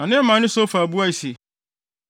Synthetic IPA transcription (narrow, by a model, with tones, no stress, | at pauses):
ã˨nɪ̃˦mã˨˦nɪ̃˦so˦fa˨bu˦a˦i˨si˨